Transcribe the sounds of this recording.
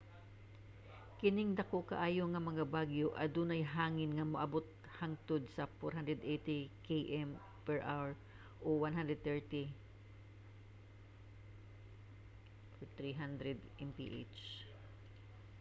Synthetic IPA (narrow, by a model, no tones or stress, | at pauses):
kɪnɪŋd̪ɐkoʔka̰ʔaːjoŋɐmɐŋabaɡjoʔɐd̪unajɦaːŋɪnŋɐmaʔɐbʊt̪̚ | haŋt̪ʊd̪̚sɐfoɾɦand̪ɾɛd̪ʔejt̪ɪkeʔɛm | pɛɹʔa̰wɛɹ | ʔowanɦand̪ɾɛd̪̚t̪ɛɹt̪i | t̪ɹiɦand̪ɾɛd̪ʔɛmpḭʔḛt͡ʃ